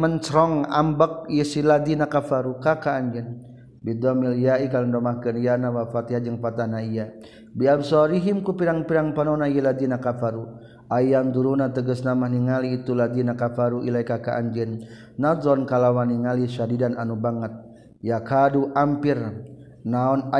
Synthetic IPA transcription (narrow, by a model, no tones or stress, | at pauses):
mənt͡ʃɾɔŋa̰mbək̚jisilad̪inakafaɾukakaːɲd͡ʒɛn | bid̪ɔmiljaikaləndɔmakənjanawafat̪ihad͡ʒəŋpat̪anaija | biabsɔɾiɦimkupiɾaŋpiɾaŋpanɔnajilad̪inakafaɾu | ajjand̪uɾunat̪əɡəsnamahniŋaliːt̪ulad̪inakafaɾuʔḭlaikakaʔa̰ɲd͡ʒɛnː | azɔnkalawaniŋalisadidananubaŋət̪̚ | jakʰaduʔampir | naɔn